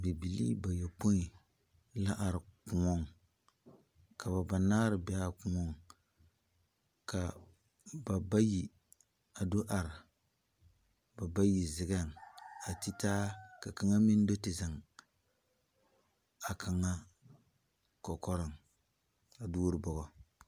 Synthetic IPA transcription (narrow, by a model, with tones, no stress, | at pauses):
bi˨bi˨lḭː˦ba˨jɔ˨po˦i˨ | la˦ʔa˨ɾɪ˨ku˨ŋɔ˦ŋ | ka˨βa˨ba˨naː˦ɾɨ˨bɛ˦a˦ku˨ŋɔ˦ŋ | ka˨ | ba˨ba˦ji˨ | a˨do˦ʔa˨ɾɪ˨ | ba˨ba˦ji˨zɪ˨ɡa˦˨ŋ˨a˨ti˦taː˦ka˨ka˨ŋa˦mi˦n˦do˦tɪ˨za˨ŋ | a˨kʰa˨ŋa˦ | kɔ˨kɔ˦ɾɨ˨ŋ | a˨duː˦ɾɨ˦bɔ˨ɣɔ˨